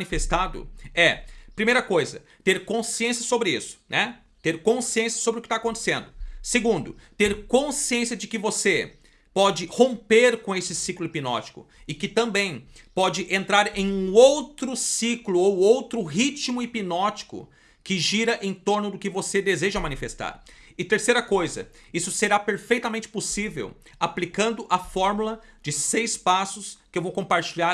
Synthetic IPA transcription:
nifest̪ad̪ʊ̰ɛpɾimejɾɐkojzɐ̰ | t̪eɾkõsiẽsjɐsobɾɪḭsʊ̥nɛ | t̪eɾkõsiẽsjɐ̥sobɾɪʊkɪt̪akõnt̪e̥sẽnd̪ʊseɡũnd̪ʊt̪eɾkõsiẽsijɐd͡ʒɪkɪvose | pɔd͡ʒɪhõpeɾkõesɪsiklʊipinɔ̰t͡ʃi̥kʊ̰ | ɪkɪt̪ɐ̃mbẽj̃ | pɔd͡ʒɪʔẽnt̪ɾaɾẽj̃ũowt̪ɾʊsiklʊowowt̪ɾʊɦit͡ʃmʊipinɔt͡ʃi̥kʊ̰ | kɪʒiɾɐʔẽj̃t̪oɾnʊd̪ʊkɪvosed̪ezeʒɐmɐ̃nifest̪a̰ɾɪt̪eɾsejɾɐkojzɐ̰ | isʊseɾapeɾfejt̪ɐmẽnt͡ʃɪ̥posivḛw | aplikɐ̃nd̪ʊʔɐfɔɾmulɐ | d͡ʒɪsejspasʊskɪewvowkõpaɾt͡ʃiʎa

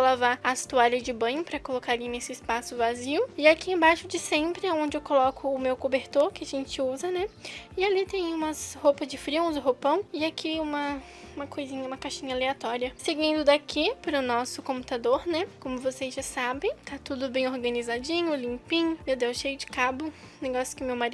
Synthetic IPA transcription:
lavaɐst̪uaʎɐzd͡ʒɪbɐ̃ɲʊpɾɐkolokaɾlinesɪɪspasʊvaziwʊɪakiãbaʃʊd͡ʒɪsẽmpɾɪaõnd͡ʒɪewkolɔkʰʊːmewkobeɾt̪oɾkɪaʒẽnt͡ʃɪuzɐnɛɪalit̪ẽj̃ũmɐshopɐzd͡ʒɪfɾiũzʊɦopɐ̃w̃ɪakʰiũmɐ | ũmɐkojzĩɲɐũmɐkaʃĩɲɐaleat̪ɔɾiɐseɡĩnd̪ʊd̪akipɾʊnɔsʊkõpu̥t̪ad̪oɾnɛkõmʊvosejzʒasabẽj̃t̪ʰat̪ud̪ʊbẽj̃oɾɡɐ̃nizad͡ʒĩɲʊlĩmpĩɲʊmewd̪ẽwʃejʊd͡ʒɪ̥kabʊ | neɡɔsjʊ̥kɪʊmewmaɾi

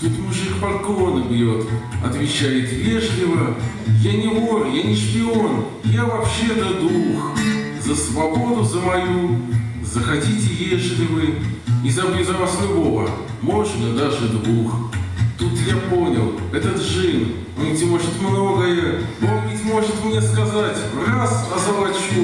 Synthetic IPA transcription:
t̪ut̪muʐɨxpɐlklo̞nɨbʲjot̪ɐt̪vʲɪt͡ɕːajɪt̪jeʐlʲɪvə | janʲɪvorjanʲɪʂpʲɪo̞n | javɐpɕːe̞d̪əd̪ux | zəsvɐbo̞d̪ʊzəmɐju | zəxɐdʲitʲɪjeʐlʲɪvɨɪzɐblʲizɐvaslʲʊbo̞və | moʐnəd̪aʐɨd̪vuxt̪ut̪japo̞nʲɪlˠɛt̪ət̪ʐɨnʲ | nʲtʲɪmo̞ʐɨt̪mno̞ɡəjə | onvʲɪtʲmo̞ʐɨt̪mnʲe̞skɐzatʲ | rasɐzɨvˠatʲʂʲ

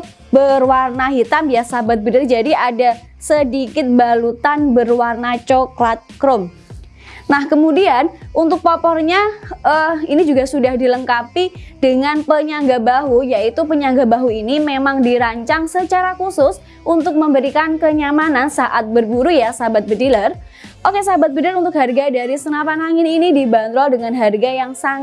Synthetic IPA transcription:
bərwarnaɦit̪amjasabat̪̚bədɪrd͡ʒadiada | sədikɪt̪̚balut̪anbərwarnat͡ʃɔklat̪̚kɾʊm | nahkəmudianunt̪ʊk̚pɔpɔrɲaəinid͡ʒuɡasudahdiləŋkapidəŋanpəɲaŋɡabaɦujaʔit̪upəɲaŋɡabaɦuinimemaŋdiɾaɲt͡ʃaŋsət͡ʃaɾakusʊs | unt̪ʊk̚məmbəɾikankəɲamanansaʔat̪̚bərbuɾujasabat̪̚bədilər | ʔokesabat̪̚bədiəɾunt̪ʊk̚ɦarɡadaɾisənapanaŋɪninidiband̪ɾɔdəŋanɦarɡajaŋsaŋ

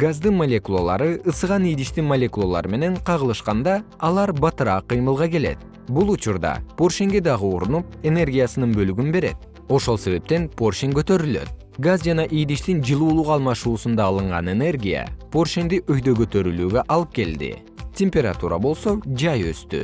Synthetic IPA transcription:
ɡazd̪ɯnmolʲekulˠolˠɑɾɯɯsɯʁɑnijd̪iʃt̪inmolʲe̞kulˠolˠɑ̰ɾɯme̞ne̞ɴqʰɑʁɯlˠɯʃqɑnd̪ɑː | lˠɑɾbɑt̪ɯɾɑːqːɯjmɯlˠʁɑke̞le̞̰t̪̚ | bulˠut͡ʃuɾd̪ɑ̰po̞rʃeŋɡe̞d̪ɑʁɯoɾunupe̞ne̞rɡʲijasɯnɯnbø̞lyɡynbe̞ɾe̞̰t̪̚ | o̞ʃo̞lˠse̞βe̞p̚t̪e̞npʰo̞rʃeŋkøt̪ø̞ɾylø̰t̪̚ | ɡazd͡ʒɑnɑʔijd̪iʃt̪ind͡ʒɯlˠuːlˠuqɑlˠmɑʃuːsund̪ɑːlˠɯɴʁɑne̞ne̞rɡʲija̰po̞rʃend̪iʔøjd̪ø̞ɡø̞t̪øɾylyːɡø̞ʔɑlˠɯp̚ke̞ld̪ḭ | tʲe̞mʲpʲe̞ɾa̰t̪uɾɑ̰bo̞lˠso̞d͡ʒɑjø̞̰st̪y̰

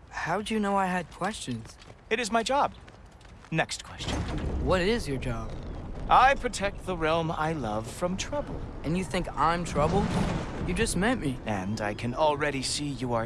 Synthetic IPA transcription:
haʊdɨjɨnoʊaɪɨd̚kʰw̥ɛst͡ʃɨ̃nz̥ɨɾɨzmaɪd͡ʒɑb̥̚ | nɛkstkʰw̥ɛst͡ʃɨ̃nwʌɾɪzjə˞d͡ʒɑb̥ʔaɪpʰɹ̥ɨtʰɛk̚t̪̚ðəɹɛlˠma̰ɪlʌv̥fɹʌ̃mtʰɹ̥ʌb̰l̩ˠʔɨ̃njɨθɪ̃ŋkãɪ̃mtʰɹ̥ʌbl̩ˠdjɨd͡ʒʌst̚mɛ̃nmiɨ̃nda̰ɪkʰɨ̃nl̩ˠɹɛɾisijɨə

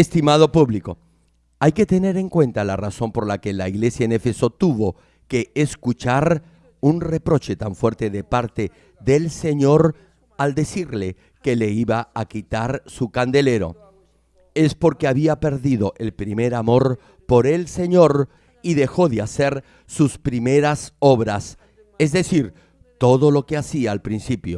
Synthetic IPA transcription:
est̪imað̞o̞puβliko̞̰ | ajke̞t̪e̞ne̞ɾe̞ŋkwe̞nt̪alaraso̞mpo̞ɾlakelaiɣle̞sjaenefeso̞t̪uβo̞ | keːskut͡ʃaɾ | unrepɾo̞t͡ʃe̞t̪aɱfwe̞ɾt̪e̞ðepaɾt̪e̞ | ðe̞lse̞ɲo̞ɾ | ald̪esiɾle̞ | ke̞leiβaakit̪aɾsukand̪e̞le̞ɾo̞̰ | e̞spo̞ɾkeaβiape̞ɾðiðo̞ʔe̞lpɾime̞ɾamo̞ɾ | po̞ɾe̞lse̞ɲo̞ɾ | iðe̞xo̞ðeaseɾ | suspɾimeɾasoβɾas | ezðe̞siɾ | t̪o̞ðo̞lo̞ke̞asiaːlpɾinsipjo̞̰

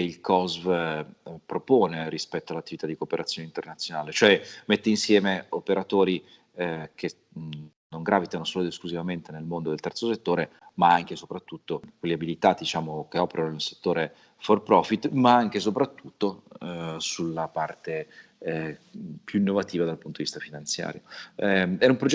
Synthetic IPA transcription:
keilkʰɔzv | pɾopoːneɾispɛt̪ːoalat̪ːivit̪ad̪ikoːpeɾʔat̪sjonint̪ernat̪sːjonaːlet͡ʃoɛmet̪ːeinsjɛːmeopeɾat̪oːɾi | kʰe | noŋɡɾaːvit̪anosoːlod̪eskluzivament̪enelmond̪od̪elt̪ɛrt̪soset̪ːoːɾemaaŋk̟esopɾat̪ːut̪ːokwelːiabilit̪ad̪it͡ʃaːmokeɔːpeɾanonelse̥t̪ːoːɾe | forpɾɔfit̪ːmaaŋk̟es̬opɾat̪ːut̪ːo | sulːapart̪e | pjuinːovat̪iːvad̪alpunt̪od̪ivist̪afinant̪sja̰ːɾjoɛɛumpɾod͡ʒ

